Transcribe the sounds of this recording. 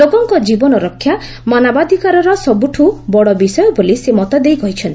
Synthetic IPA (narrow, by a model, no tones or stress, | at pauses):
loɡɔŋkɔd͡ʒibɔnɔɾɔkʰːja | manabad̪ʱikaɾɔɾɔsɔbuʈʰubɔɽɔbisɔjɔbolisemɔt̪ɔd̪ejkɔɦit͡ʃʰɔnt̪i̥